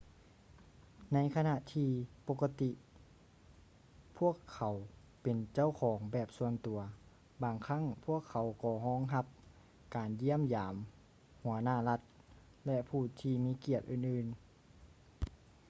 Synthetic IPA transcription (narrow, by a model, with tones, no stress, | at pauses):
na˧˥jkʰa˧na˧ʔt̪ʰiː˧˩po˧ka˧t̪i˧ʔ | pʰu˧˥˩əkʰːa˨˩w | pe˨nt͡ɕa˧˥˨wkʰɔː˨˦ŋbɛː˨˩p̚su˧ənt̪u˨˩ɐ | baː˨ŋkʰa˧˥˨ŋpʰu˧˥˩əkʰːa˨˦wkɔː˧˩ɦɔː˧˥˨ŋɦa˧p̚ | kaː˨nji˧˥əmjaː˨˦m | hu˨˩˦ɐnaː˧˩la˧˥t̪̚ | lɛ˧ʔpʰuː˧˩t̪ʰiː˧˩miː˧˥˨ki˧˩ət̪̚ʔɯː˧˩nʔɯː˧˩n